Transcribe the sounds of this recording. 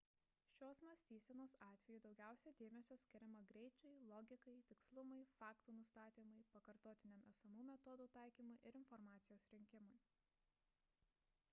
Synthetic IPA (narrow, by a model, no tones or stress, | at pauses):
ʃʲoːsmɐsʲt̪ʲiːsʲɛnoːsɑːt̪ʲʋʲɛjud̪ɒʊɡʲæˑʊsʲɛd̪ʲeːmʲɛsʲoːsʲkʲɪɾʲɛmɐɡɾʲɛɪt͡ʃʲɛɪlˠɔɡʲɪkɐɪt̪ʲɪkslˠʊmɐɪfɑːkt̪uːnʊst̪ɑːt̪ʲiːmɐɪpɐkɐɾt̪oːt̪ʲɪnʲɛmɛsɐmuːmʲɛt̪ɔd̪uːt̪ɑˑɪkʲiːmʊjʔɪɾɪnfɔɾmɑːt̪sʲɪjoːsɾʲɪŋʲkʲɪmʊj